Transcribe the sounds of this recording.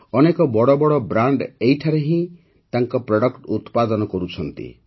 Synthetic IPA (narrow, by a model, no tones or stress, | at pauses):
ɔnekɔbɔɽɔbɔɽɔbɾaɳɖejʈʰaɾeɦĩ | t̪aŋkɔpɾɔɽɔkʈut̪pad̪ɔnɔkɔɾut͡ʃʰɔnt̪ḭ